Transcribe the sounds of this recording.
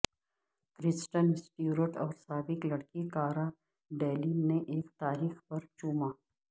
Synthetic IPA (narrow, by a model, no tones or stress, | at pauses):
kɾɪsʈənɪsʈjuːɾoʈɔːɾsaːbɪklɐɽkikaːɾa | ɖeːlineʔeːkt̪aːɾiːxpɐɾt͡ʃuːmaː